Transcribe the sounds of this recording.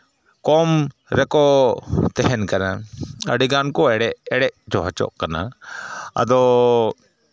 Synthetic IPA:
kɔm | ɾɛkɔt̪ɛɦɛnkanaə̰ɖiɡankɔɽɛɛɽɛʔd͡ʒɔɦat͡ʃɔ̰ʔkana̰ | a̰d̪ɔ

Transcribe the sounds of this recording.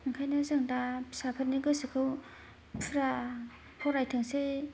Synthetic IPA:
ɯŋkʰajnazɯŋdasapʰɯt̚niɡɯsɯkʰɯw | pʰuɾa | hʰɔɾajtʰɯŋse

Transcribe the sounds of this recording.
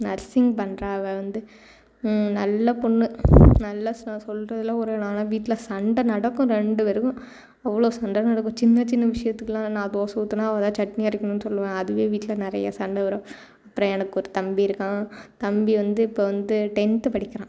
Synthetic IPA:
nɐɾsɪŋɡpɐɳːɾãːɐʋeːʋɐnd̪ɯ | nɐlːɐpɔɳːɯnɐlːɐsnãːsɔlɾɐðɪlːaːɔɾɯnãːnaːʋiːʈːɪlɐsɐɳɖɐnɐɽɐkːʊ̃ɾɛɳɖɯʋɛɾɯkʊ̃ | ɛʋːɐɭoːsɐɳɖɐnɐɽɐkːʊ̃t͡ʃɪnːɐt͡ʃɪnːɐʋɪʂɐjɐt̪ːɯkːɯlãːnãːd̪oːsɐt̪ːɯnːaːɐʋɐd̪ãːt͡ʃɐʈniaɪɾɪkːɐnʊ̃nːɯsɔlːɯʋẽːɐðɯʋeːʋiːʈːɪlɐnɪɾɐ̰jɐ̰sɐɳɖɐʋɐɾɐ̃ | ɐpːɯɾɐ̃jɛnɐkːɯɔɾɯt̪ɐmbiɪɾɯkːãːt̪ɐmbiʋɐnd̪ɯɪpːoʋɐnd̪ɯʈɛnʈɯpɐɽɪkːɐɾãː

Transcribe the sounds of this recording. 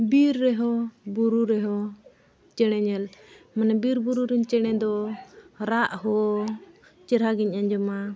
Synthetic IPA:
biɾːɛɦɔbuɾuɾɛɦɔ | t͡ʃɛɽ̃ɛɲɛl | manɛbiɾbuɾuɾiɲt͡ʃɛɽ̃ɛd̪ɔ | ɾaʔhɔ | t͡ʃɛɾɦaɡiɲʔaɲd͡ʒɔma

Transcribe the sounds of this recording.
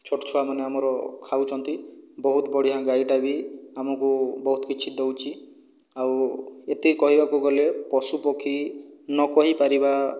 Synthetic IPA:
t͡ʃʰoʈɔ̥t͡ʃʰɔamaneamɔɾɔkʰawt͡ʃʰɔnt̪ibɔɦut̪bɔɽ̤iɦãɡaiʈabiamɔkubɔɦut̪ɔkit͡ʃʰid̪owt͡ʃʰi | awet̪ikɔɦibakuɡɔlepɔsupɔkʰinɔkɔɦipaɾiba

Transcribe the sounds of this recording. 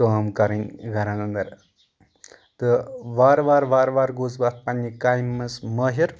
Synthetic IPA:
oɦmkɐɾinɡʱɐɾanɐnd̪ɐɾ | t̪ɨʋaːɾʋaːɾʋaːɾʋaːɾɡuːzbat̪̚pɐnʲːikaːjmːɐsmɐɦiɾ

